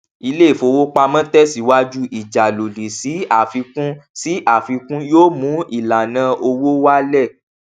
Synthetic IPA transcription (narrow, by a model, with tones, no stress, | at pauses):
i˧le˦˨fo˧wo˦k͡pa˧mã˦tɛ˦si˨˦wa˦d͡ʒu˦ʔi˨d͡ʒa˨lo˨li˨si˨˦a˦˨fi˧kũ˦si˨˦ʔa˦˨fi˧kũ˦joː˦mũ˨˦i˦˨la˨nã˧ʔo˧wo˦wa˦lɛ˦˨